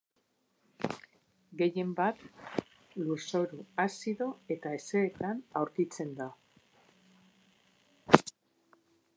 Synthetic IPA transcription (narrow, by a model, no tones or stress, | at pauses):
ɡe̞je̞mbat̪ | luso̞ɾuasiðo̞e̞t̪ae̞se̞ːt̪anawɾkit͡se̞nd̪a